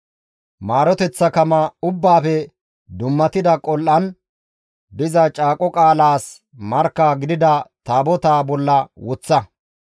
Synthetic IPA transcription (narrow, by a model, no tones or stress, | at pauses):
maːɾɔt̪ɛt͡sːɐkɐmɐʊbːaːfɛ | d̪ʊmːɐt̪ɪd̪ɐkʼɔlʔɐn | d̪ɪzɐt͡ʃʼaːkʼɔkʼaːlaːs | mɐɾkːaːɡɪd̪ɪd̪ɐt̪aːbɔt̪aːbɔlːɐwʊt͡sːɐ